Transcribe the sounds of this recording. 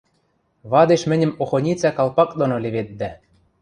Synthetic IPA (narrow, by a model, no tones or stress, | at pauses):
βɑd̪eʃmɘ̆nʲɘ̆moxonʲit͡sækɑlˠpɑk̚d̪onolʲĕβet̪̚d̪æ